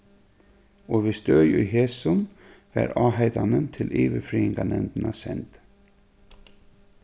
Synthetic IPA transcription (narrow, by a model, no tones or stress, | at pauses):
oːʋɪːst̪œʏjʉːheːsɔnʋæ̰ːɾɑːhæɪd̪ɑnənt̪ʰɪlʔiːʋəfɾiːɪŋɡɑnɛnd̪nɑsɛnd̪̥